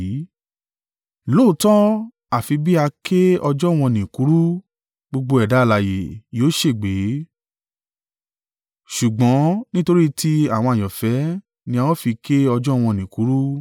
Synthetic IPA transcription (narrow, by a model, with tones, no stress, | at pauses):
lo˦˨˦tɔ̃˦ | a˨fi˧bi˦a˧kʰe˦ɔ˧d͡ʒɔ˦˨w̃ɔ̃˧˨nĩ˨ku˨˦ɾu˦ | ɡ͡bo˧ɡ͡bo˧ɛ˨da˨˦˧la˨je˨jo˨˦ʃe˦˨ɡ͡be˨˦ | ʃu˨ɡ͡bɔ̃˨˦nĩ˦to˧ɾi˦tʰi˦a˦˨w̃ɔ̃˧a˨jɔ̃˨fɛ˨˦ | nĩ˧˦a˧wɔ̃˦fi˧kʰe˦ɔ˧d͡ʒɔ˦˨w̃ɔ̃˧nĩ˨ku˨˦ɾu˦